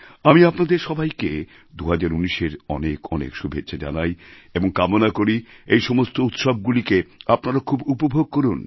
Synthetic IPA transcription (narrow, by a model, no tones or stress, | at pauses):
amiapnad̪eɾʃɔbajke | d̪uɦad͡ʑaɾuniʃeɾɔ̰nekɔnḛkʃubʱetːʃʰad͡ʑa̰najeboŋkamonakoɾiejʃɔmost̪out̪ʃob̚ɡulikeapnaɾakʰubupobʱoɡ̚koɾun